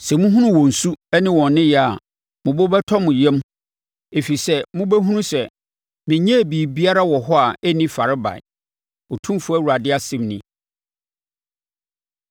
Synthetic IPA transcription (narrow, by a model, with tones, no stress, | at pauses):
sɛ˨mũ˦ɦũ˦nʊ̃˦wɔ̃˨n̩˨su˦ɛ˦nɪ̃˦wɔ̃˨nː˦ɪ̃˦jɛ˨a˨ | mʊ̃˨bɔ˦bɛ˦tʰɔ˦mʊ̃˨jɛ̃˦m | e˨fi˨sɛ˦mʊ̃˦bæ˦ɦũ˦nũ˦sɛ˨ | mɪ̃˨ɲɛ̃˦˨biː˨bi˦a˦ɾa˦wɔ˨ɦɔ˦a˨ɛ˦nĩ˦fa˨ɾɪ˦ba̰˨ɪ̰˨ | ɔ˨tʰũ˦m˦fʊ˦æ˦˨wu˨ɾa˨dɪ˦a˨sɪ̃˦mnɪ̃˦